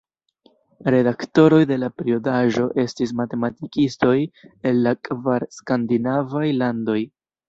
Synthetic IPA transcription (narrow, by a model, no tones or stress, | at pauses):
ɾe̞dakto̞ɾo̞jde̞lapɾiodaʒo̞ʔe̞stis̬mate̞matikisto̞je̞nːakvaɾskandinavajlando̞j